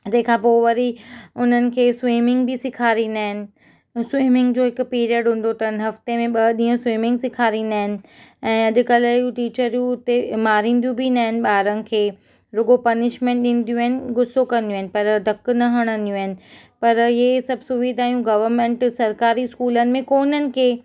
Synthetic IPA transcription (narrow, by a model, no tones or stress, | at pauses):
d͡ʑɐ̃ɦɪ̃kʰãːpoːʋɐɾiʊn̤ənɪ̆kʰeːswiːmɪ̃ŋɡbʱɪsɪkʰaːɾĩːnd̪aːɦɪnɪ̆ | swiːmɪ̃ŋɡd͡ʑoːɦɪkpiːɾiəɖɦũːn̆d̪ot̪ɐnɦɐft̪emẽɓɐɗiːũswiːmɪ̃ŋɡsɪkʰaːɾĩːnd̪aːɦɪnɪ̆ɛ̃ːɐʄʊ̆kɐləjũʈiːt͡ɕəɾijũʊt̪emaːɾĩːn̆d̪ijũbʱind̪aːɦɪnɪ̆ɓaːɾənɪ̆kʰeː | ɾʊɡopɐnɪʃmẽɳʈɗĩːn̆d̪ijũaːɦɪnɪ̆ɡʊsokɐ̃nd̪iũaɦɪnɪ̆pɐɾd̪ʱɐknɐɦɐɽ̃ə̃nd̪ijũaːɦɪnɪ̆ | pɐɾɪesɐbʱsʊʋiːd̪ʱaːjũɡɐʋəɾmẽːɳʈsɐɾkaːɾiskuːlənɪ̆mẽkoːnənɪ̆kʰeː